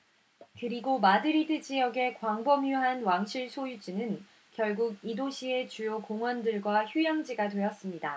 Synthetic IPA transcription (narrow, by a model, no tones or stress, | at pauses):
kɯɾiɡomadɯɾidɯd͡ʑijʌɡe̞kwaŋbʌmjuɦanwaŋɕʰiɭsʰojud͡ʑinɯn | kjʌɭɡuɡidoɕʰie̞t͡ɕujokoŋwʌndɯɭɡwaçujaŋd͡ʑiɡatwejʌs͈ɯmɲida